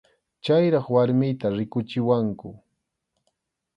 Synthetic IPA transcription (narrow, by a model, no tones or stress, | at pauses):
t͡ʃajɾɑχwaɾmɪjt̪aɾɪkʊt͡ʃɪwaŋkʊ